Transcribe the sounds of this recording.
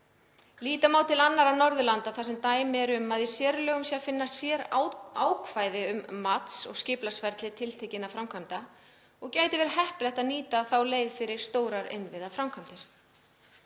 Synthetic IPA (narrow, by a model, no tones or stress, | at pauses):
liːt̪amaːwt̪ʰɪlanːaɾawnɔɾðʏlant̪aθasɛmt̪aːjmɪɛɾʏmːaðɪsjɛːɾʏlœːɣʏmsjafɪnːassjɛːɾaːwkʰvaːjðɪʏmːat̪sɔ̰ɣscɪːplasvɛɾt̪lɪt̪ʰɪlt̪ʰɛjcɪnafɾawmkʰvamt̪a | ɔɣcaːjt̪ɪvɛɾ̥hɛhplɛht̪aðniːt̪aθawleːjðfɪɾɪɾ̥st̪oːwɾaɾɪ̰nvɪðafɾawmkʰamt̪ɪɾ̥